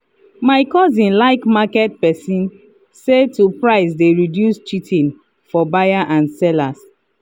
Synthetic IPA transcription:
maɪkɔzĩnlaɪkmakɛt̚pɛsĩn | setupɹaɪsdeɹidjust͡ʃitʰĩn | fɔbajaʔãnsɛlas

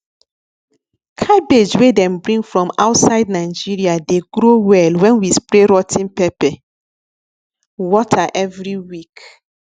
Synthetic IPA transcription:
kʰabed͡ʒwedɛ̃mbɹĩŋfɹɔ̃maʊtsaɪd̚naɪd͡ʒiɹiadeɡɾowɛlwɛ̃nwispɾeɾɔtʰĩnpɛpɛ | wɔtʰaʔɛvɹiwik

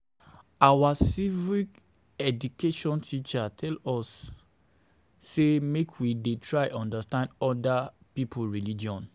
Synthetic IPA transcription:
awasivik | ɛdukeʃɔ̃ntʰit͡ʃatʰɛlɔs | emekʰwidetʰɹaʔɔ̃ndastãndɔdapipʰulɹilid͡ʒɔ̃n

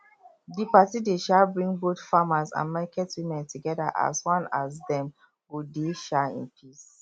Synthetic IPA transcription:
dipatideʃabɹĩŋboθfamasã̰nmakɛtwimɛ̃ntʰuɡɛda̰ʔa̰swɔ̃nasdɛ̃m | wudeʃaḭ̃npʰis

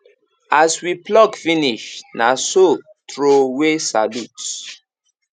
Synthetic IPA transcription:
aswiplɔɡfiniʃnaso | tɹowesa̰lut

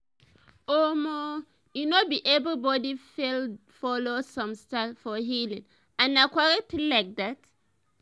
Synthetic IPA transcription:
omo | junobiʔɛbbɔdifelfɔlosɔ̃mstafɔɦilĩŋ | ãnakwaɹɛtlilaɪk̚dat

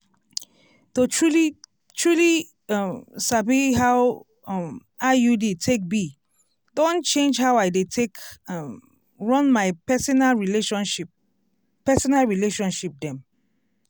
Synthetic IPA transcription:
toɹuli | tɹuli | sabiɦaw | m | ajuditʰek̚bi | dõnt͡ʃẽnd͡ʒhawaɪdetʰek | ɹɔ̃nmaɪpɛsɔnalɹileʃɔ̃nʃip | pɛsɔnalɹileʃɔ̃nʃip̚dɛ̃m

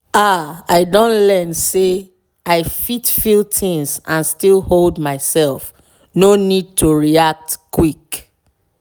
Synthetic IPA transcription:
aaɪdõnlɛnse | aɪfitfilˠtĩŋzãnstilholdmaɪsɛlˠf | nonid̚tʰuɹiak̚tkwik

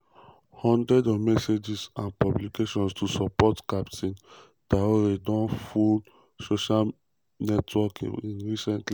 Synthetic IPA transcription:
hɔ̃ndɹɛdɔvmɛsed͡ʒisãnpɔblikeʃɔ̃nstʰusɔpɔtkaptʰĩn | taoɾedɔ̃nful | soʃal | nɛtʰwɔkĩnɹisɛ̃ntli

